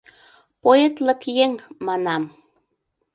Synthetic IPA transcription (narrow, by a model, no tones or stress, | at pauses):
poet̪lə̆kjeŋmɑnɑm